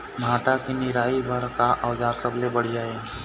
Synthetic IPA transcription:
mbʱaːʈakinɪɾaːibʱəɾkaʔawd͡ʒaːɾsəblebəɽ̤ijaɦɛː

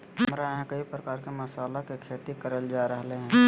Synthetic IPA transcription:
mɾaɦɛ̃kəipɾəkaːɾkemɐsaːlakekʰeːt̪ikəɾəld͡ʒaːɾəɦleɦɛ̃ː

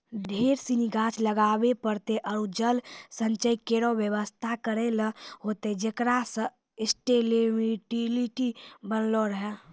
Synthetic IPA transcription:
ɖʱeɾsiniɡʱat͡ʃləɡabepəɾt̪eʔəɾud͡ʒəlsə̃nt͡ʃəjkeɾobjəʋəst̪ʰakəɾeləɦot̪ed͡ʒekɾasə̃ | ɪsʈelemiʈiliʈibənloɾəɦɛ

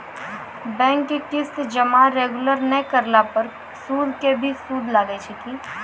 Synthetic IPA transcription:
bɛ̃ːŋkːekɪsd͡ʒɐmaɾeːɡʊləɾnɛkəɾlapəɾ | suːd̪kebʱisuːd̪ʱlaːɡet͡ʃʰik̪iː

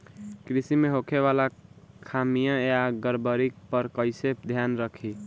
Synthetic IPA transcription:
kɾisimeɦokʰeβalakʰamijãjaɡəɾbəɾik̚pəɾkəɪsep̚d̪ʱjanɾəkʰi

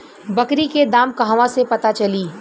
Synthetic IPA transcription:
bɐkɾiked̪aːmkɐɦʋãsepɐt̪at͡ʃɐliː

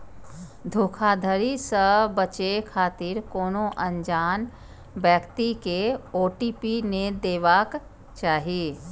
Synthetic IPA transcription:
d̪ʱoːkʰaːd̪ʱəɾisəbət͡ʃekʰaːt̪ɪɾkoːnõʔə̃ɲd͡ʒaːn | bɛːkt̪ikeoːʈiːpined̪eːʋaːk | t͡ʃaːɦiiː

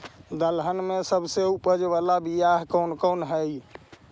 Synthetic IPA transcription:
d̪əlɦənmesəbseupəd͡ʒβalabijaɦkəwnkənɦəj

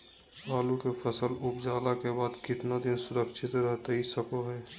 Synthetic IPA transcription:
baːlukepʰəsəlʊpd͡ʒaːlakebaːd̪kɪt̪nad̪ɪnsʊɾəkʃʰɪt̪ɾəɦt̪ɦisəkoɦɛː

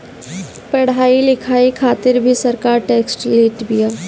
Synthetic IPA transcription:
pɐɽ̤aːilɪkʰaːikʰaːt̪ɪɾbʱisɐɾkaːɾʈeːksʈleːʈbijaː

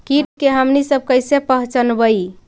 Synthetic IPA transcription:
kiʈkeɦəmnisəb̚kəjsepəɦt͡ʃənbəi

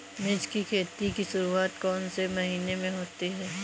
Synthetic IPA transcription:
mɪd͡ʒkikʰeːt̪ikiʃʊɾuaːt̪kɔːnsemɐɦiːnemẽɦoːt̪iɦɛː

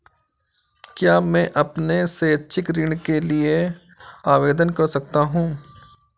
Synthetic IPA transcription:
kjaːmɛ̃ːʔɐpneseːtːʃʰɪkɾɪɽ̃kelie | aːʋeːd̪ənkɐɾsɐk̚t̪aɦũː

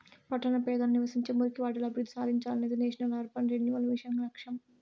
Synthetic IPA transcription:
pɐʈːɐnɐpɛːd̪ɐnɐniʋɐsiɲt͡ʃeːmuɾkiʋaːʈɐlɐbʱiɾud̪ʱːisaːd̪ʱiɲt͡ʃaːlɐneːd̪ineːʃɐnɐlaːɾpɐnɾeɲjuʋɐlʋiʂɐŋɡɐlɐkʂɐm

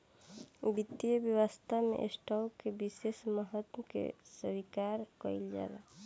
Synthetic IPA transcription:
bit̪ijəbjəwəst̪ʰamḛʔesʈɔlkebisesməɦət̪kḛsəbikaɾkɔild͡ʒa̰la̰

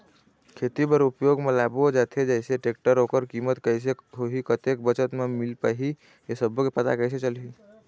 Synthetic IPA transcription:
kʰet̪ipəɾupjoɡmelabod͡ʒat̪ʰed͡ʒəɪseʈek̚ʈəɾokəɾkimət̪kəjs̬eɦoɦikət̪ek̚bət͡ʃət̪memilpaɦi | esəbokepət̪a̰kəjs̬et͡ʃəlɦi

